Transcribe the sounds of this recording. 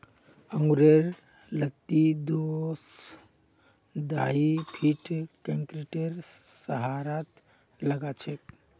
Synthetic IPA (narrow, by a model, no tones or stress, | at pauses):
əŋɡuɾeɾ | lət̪id̪os | d̪aipʰiʈkeŋkɾiʈeɾsəɦaɾat̪ | ləɡat͡ʃʰek